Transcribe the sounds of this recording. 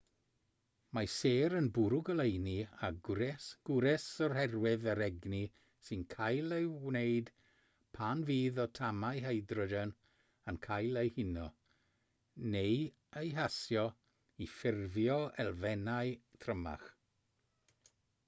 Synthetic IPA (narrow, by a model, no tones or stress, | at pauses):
maseːɾənbʊɾʊɡəlejniaɡʊɾɛsɡ̥ʊɾɛsɔrhɛrwɪðəɾɛɡni | sɨnkʰajlˠejwnejd̥ | pʰanviːðɔtʰamajɦeɨdrɔdən | ankʰajlˠejhɪnɔ | nej | əjɦasjɔ | ifɪrvjɔɛlˠvɛnaɨtʰrəma̰χ